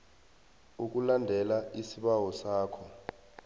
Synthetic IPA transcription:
uk̬ulandʱɛlaʔisiɓawɔsaːkʰɔ

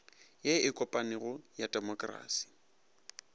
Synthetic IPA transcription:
jeɪkʼɔpʼanɪɣʊjadʼɛmɔkʼra̰ːsi̥

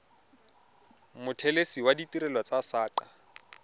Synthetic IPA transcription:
mʊtʰɛlesiwaditiɾɛlwat͡sasaːǃa

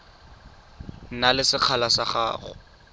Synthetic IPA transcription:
nalɪsɪq͡χʰalasaχa̰ːχʊ̰

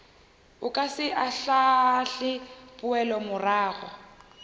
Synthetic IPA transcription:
ʊkʼasɪʔaɬaɬɪpʼʊɛlɔmʊraːɣɔ

